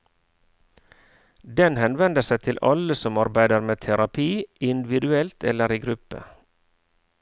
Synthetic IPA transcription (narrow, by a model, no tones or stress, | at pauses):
d̪ɛnhɛnʋɛnd̪əsæɪt̪ʰɪlʔɑ̰ləsɔmɑɾbæɪd̪əɾmeːt̪ʰæɾɑpʰiːɪnd̪ɪʋɪd̪ʉɛlt̪ʰɛ̰ləɾiːɡɾʉpə̰